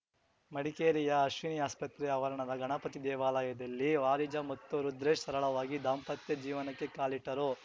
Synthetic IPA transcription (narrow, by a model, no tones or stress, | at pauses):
mɐɽikeːɾijɐɐʃʋinijaːspɐt̪ɾɛɐʋɐɾɐɳɐd̪ɐɡɐɳɐpɐt̪id̪ɛːʋaːlɐjɐd̪ɐlːiʋaːɾid͡ʒɐmɐt̪ːuɾud̪ɾeːʃsɐɾɐɭɐʋaːɡid̪aːmpɐt̪jɐd͡ʒiːʋɐnɐkːe̞kaːliʈːɐɾu